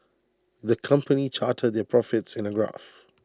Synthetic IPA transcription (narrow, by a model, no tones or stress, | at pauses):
ðəkʰʌ̃mpʰənit͡ʃʰaːtʰəd̪̚ðɛpʰɹ̥ɔfɪtsɪ̃nəɡɹa̰f